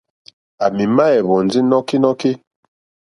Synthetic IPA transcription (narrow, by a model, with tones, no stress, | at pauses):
a˨mi˨ma˦ɛ˨βɔ˨n˨d͡zi˦nɔ˦ki˦nɔ˦ki˦